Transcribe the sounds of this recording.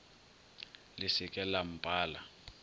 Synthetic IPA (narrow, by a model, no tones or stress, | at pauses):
lɪsɪkʼɛlam̩pʼaːla